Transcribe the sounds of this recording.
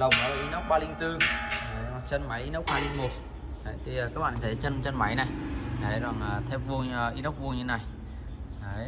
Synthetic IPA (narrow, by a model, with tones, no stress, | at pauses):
lə˨˩wŋ͡mɗɔ̰˨˧˦laː˨˩ʔi˧˦nə˦˥k͡p̚ɓaː˧lï˧ŋ̟t̪ɨ˧ə˨˦jt͡ɕə˧nma˨˦jʔi˧nə˦˥wk͡p̚ɓaː˧li˧ŋ̟mo˨˩t̚ | ə˨t̪ʰiː˨˩˨kaː˦˥k̚ɓa̰ː˧˨˧t͡ɕə˧n˧t͡ɕə˧nma˨˦jna˨˩jʔə˨˦jzɔ˨˩ŋʔəː˨˩t̪ʰe˧pvu˧ə˨˩ʔi˧˦n˦˥wk͡p̚vu˧ɲʰ˧˨˦na˨˩j | ʔə˨˦j